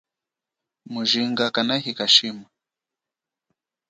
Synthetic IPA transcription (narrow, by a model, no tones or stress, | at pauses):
muʒiŋɡakanahikaʃima